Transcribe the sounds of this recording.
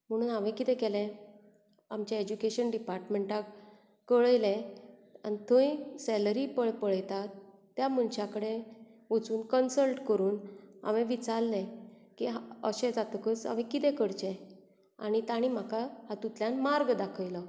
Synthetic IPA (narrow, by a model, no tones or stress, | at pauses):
m̤əɽ̃uːnaʋẽkit̪ɛ̃kɛlɛ̃ | amt͡ɕjaed͡ʑukeɕənɖipaɾʈmeɳʈak | kːəɭəjlɛ̃a̰nit̪ʰõjsɛləɾipəɭpəɭəjt̪at̪ː | jam̤ənt͡ɕakəɽeət͡suːnkənsəlʈkəɾuːna̰ʋẽʋit͡saɾlɛ̃kiɦaəɕɛ̃d͡zat̪əkəsa̰ʋɛ̃kit̪ɛ̃kəɽt͡ɕɛ̃ | a̰ñit̪aɽ̃im̤akahat̪ut̪ljãnmaɾɡd̪akʰəjlə